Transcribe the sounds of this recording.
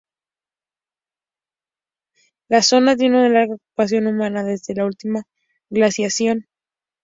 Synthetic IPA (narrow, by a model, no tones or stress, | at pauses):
laso̞nat̪̬je̞nunalaɾɣaoku̥pas̬jo̞numãnaðe̞zðe̞lault̪ima | ɣlasjasjo̞n